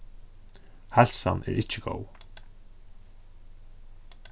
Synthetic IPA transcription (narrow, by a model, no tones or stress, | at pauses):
hɛlsanʔɛ̰ːɹʔɪt͡ʃəɡo̰w